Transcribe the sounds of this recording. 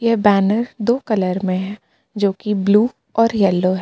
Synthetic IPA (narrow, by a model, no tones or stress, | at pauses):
jɛɦbɛːnəɾd̪oːkɐləɾmẽɦɛ̃ | d͡ʒoːkibluː | ɔːɾjɛlːoɦɛ